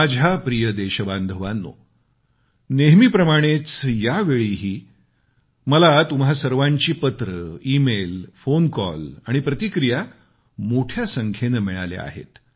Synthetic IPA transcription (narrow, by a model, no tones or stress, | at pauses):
ad͡zʱapɾijəd̪eɕəband̪ʱəʋanːo̰ | neɦmiːpɾəmaɽ̃et͡sjaʋeɭiɦiː | məlat̪umɦasəɾʋaɲt͡ɕiːpət̪ɾəimelfonkɔ̰laɽ̃ipɾət̪ikɾija | moʈʰjasəŋkʰenəmiɭa̰lḛa̰ɦḛt̪